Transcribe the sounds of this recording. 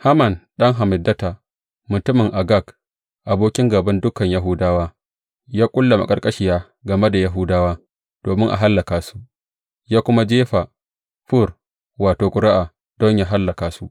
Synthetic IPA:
ha˦mɐ˨nɗɐ˦ŋɦa˨mɪ˨dːɐ˦ta˨ | mʊ˨tʊ˦mɪ˨ŋʔa˨ɡa˦˨k | ʔa˨boː˦kʲɪ˦ŋɡɐ˨bɐ˦ndʊ˦kɐ˨ɲja˦ɦʊ˦daː˦waː˦ | jaː˦kʷʼʊ˦lːɐ˨ma̰˨kʼɐ˦rkʼɐ˦ʃɪ˦˨jaː˦ | ɡɐ˨me˦da˨ja˦ɦʊ˦daː˦waː˦ | d̥oː˨mɪ˦ŋʔa̰˨ɦa˦lːɐ˨kaː˨su̥˦ʔ | jaː˦kʷʊ˦ma˦d͡ʒeː˦ɸa˨ | ɸʊ˦˨r | waː˨toː˨kʷʼʊ˦ɾa˦ʔa˨ | d̥ɔ˦ɲjaː˦ɦa˦lːɐ˨kaː˨su˦ʔ

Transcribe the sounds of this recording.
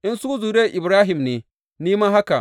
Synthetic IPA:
ʔɪ˦nsuː˦zuː˨ɾeː˦ʔɪ˨bɾaː˦ɦɪ˨mneː˨ | niː˦maː˦ɦa˦ka˨ʔ

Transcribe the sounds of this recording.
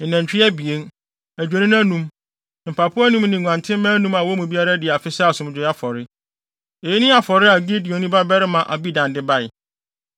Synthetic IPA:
næ̃˨ɲt͡ɕᶣɪ˦ɛ˦bi˨e˦n | æ˨d͡ʑᶣe˨nĩ˦n˦ã˦nũ˦m˨ | m̩˨pʰa˨pʰʊ˦nũ˦m˦nĩ˨ŋʷ˨ã˨ntʰɪ̃˦mː˦ã˦nũ˦ma˨wɔ˦mũ˨bi˦a˦ɾa˦dɪ˨a˨fɪ˦sa˦˨sʊ̃˨m˦d͡ʑᶣɪ˨˦a˦fɔ˨ɾɪ˦ | e˨ji˦nɪ̃˦a˨fɔ˨ɾɪ˦a˨ɡi˦dɪ˨o˨nĩ˦ba˦bɛ˦ɾɪ˦mã˨ʔa̰˨bi˦dã˨ndɪ˦ba˦˨ɪ˨

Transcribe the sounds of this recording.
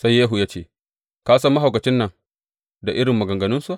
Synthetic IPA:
sa˦jːeː˦ɦu˨jaː˦t͡ʃeː˦ | kaː˦sɐ˦mːɐ˦ɦa˨wkɐ˨t͡ʃɪ˦nːɐ˨ŋ | da˨ʔɪ˦ɽɪ˨mːɐ˨ɡɐ˨ŋɡɐ˨nʊ˦nsu˦ʔ

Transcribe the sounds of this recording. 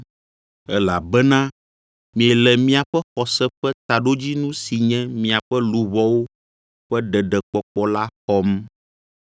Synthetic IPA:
ɛ˦la̰˨bɛ˦nã˦ | mĩ˨ɛ˨lɛ˨mĩ˦a˨ɸɛ˦xɔ˨sɛ˦ɸɛ˦t̪a˨ɖo˦d͡ʑi˦nũ˦si˨ɲɛ̃˦mĩ˨a˨ɸɛ˦lu˨βɔ˦wo˦ | ɸɛ˦ɖɛ˨ɖɛ˨k͡pɔ˨k͡pɔ˦la˦xɔ˦m

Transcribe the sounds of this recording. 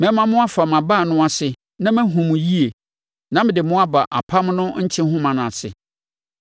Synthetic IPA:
mɛ̃˦mã˦mʊ̃˦a˦fa˨m˨ã˨ba˦˨nʊ̃˦a˨sɪ˨ | nã˦mæ̃˦ɦũ˨m̃˨ji˦e˨ | nã˦mɪ̃˨dɪ˨mʊ̃˦a˦ba˨ʔa˨pʰa˦mnʊ̃˦ɲ̩˦t͡ɕʰɪ̃˦ɦʊ̃˦mã˨nʊ̃˨a˨sɪ̰˨

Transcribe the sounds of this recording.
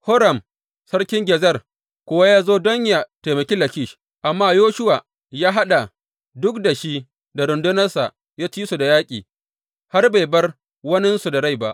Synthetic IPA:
hɔ˦ɾɐ˨m | sɐ˦ɽkʲɪ˦ŋɡʲɛ˨zɐ˦r | kʷʊ˦wa˦jaː˦zoː˦dɔ˦ɲja˨te˨mɐ˨kʲiː˦lɐ˨kʲi˦ʃ | ʔa˨mːaː˦joː˦ʃʊ˦wa˨ | jaː˦ɦa˦ɗa˨ | dʊ˦kda˨ʃi˦ | da˨ɾʊ˨ndʊ˦nɐ˦rsa̰˨ʔ | jaː˦t͡ʃiː˦su˨da˨jaː˦kʲʼḭː˨ | ha˦rba˨jbɐ˦r | wɐ˦nɪ˦nsu˨da˨ɽa˦jba˦ʔ

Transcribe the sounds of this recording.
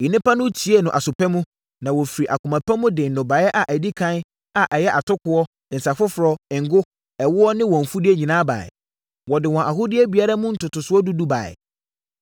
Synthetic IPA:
i˨nɪ̃˦pa˦nʊ̃˦t͡ɕʰi˨˦e˦nʊ̃˨ʔa˨sʊ˨pʰɛ˦mũ˦ | nã˨wɔ˨fi˨ɾi˨ʔa˨kʰʊ˨mã˨pʰɛ˦mʊ̃˦dɪ˨n̩˨nʊ̃˨baː˨˦ɛ˦ʔa˨ʔæ˨di˦kʰã˦n˦ | a˨ʔɛ˨jɛ˦ʔa˨tʊ˦kʰʊ˨ɔ˦˨n̩˨sa˨fʊ˦fʊ˨ɾɔ˦ɪ˨ŋ̩˨ɡʊ˦ | ɛ˨wʊ˦ɔ˦nɪ̃˦wɔ̃˨ɱ̩˨fu˦dɪ˦e˦ɲĩ˨nãː˦ba̰˨ɪ̰˨ | wɔ˨dɪ˨wɔ̃˨ʔa˨hʊ˦dɪ˦ɛ˦bi˨a˦ɾa˦mʊ̃˦n̩˦tʊ˨tʊ˨sʊ˦ɔ˦du˦du˦ba̰ː˨ɪ̰˨

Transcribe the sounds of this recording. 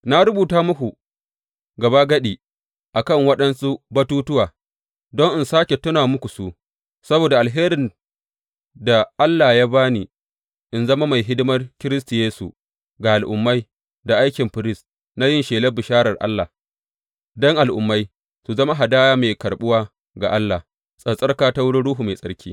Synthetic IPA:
na˦ɾʊ˦buː˨taː˦mʊ˦kʷu˨ | ɡɐ˨ba˦ɡɐ˦ɗiː˨ | ʔa˨kɐ˦˨ŋwɐ˦ɗɐ˦nsu˦bɐ˦tuː˦tʊ˦waː˨ | dɔ˦ŋʔɪ˨nsaː˦kʲe˨tʊ˦naː˨mʊ˦kʷu˨su˦ʔ | sɐ˦boː˨da˨ʔa˨lɦeː˦ɾɪ˨n | da˨ʔa˦lːa˨jaː˦baː˦niː˨ | ʔɪ˨nzɐ˦ma˦ma˨jɦɪ˦dɪ˦mɐ˦rkʲɪ˦ɾɪ˦sti˨jeː˦sṵ˨ | ɡa˨ʔa˨lʔʊ˨mːa˦j | da˨ʔa˦jkʲɪ˨mɸɪ˨ɾɪ˦s | na˦jɪ˦˨nʃeː˨lɐ˦bɪ˨ʃaː˦ɾɐ˨rʔa̰˦lːa˨ | dɔ˦ŋʔa˨lʔʊ˨mːa˦j | su˨zɐ˦ma˦ɦa˨daː˦ja˦meː˨kɐ˨ɽɓʊ˦waː˦ | ɡa̰˨ʔa˦lːa˨ | sʼɐ˨sʼɐ˦rkaː˦ta˦wʊ˦ɽɪ˦ɽuː˦ɦu˨me˨sʼɐ˦ɽkʲiː˦

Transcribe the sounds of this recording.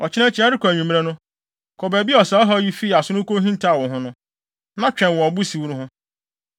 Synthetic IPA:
ɔ˨t͡ɕʰɪ˦nɛ̃˦t͡ɕʰɪ˦a˦ɾɪ˦kɔ˨æ˨ɲᶣĩ˨m˦ɛ˦nʊ̃˦ | kʰɔ˨bæ˨bi˦ɔ˨sa˨˦ɔ˦ɦɔ˦ji˦fi˦˨a˨sʊ˦ʊ̃˦ko˦ɦĩ˦n˦ta˦˨wɔ̃˨ɦʊ̃˦nʊ̃˦ | nã˦t͡ɕᶣɛ̃˨nwɔ̃˨ɔ˨bu˦si˨wu˦ɾu˦ɦʊ̃˦

